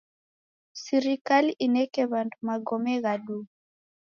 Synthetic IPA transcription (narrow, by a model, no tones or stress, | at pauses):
siɾikaliʔinɛkɛβantumaɡɔmɛɣaɗu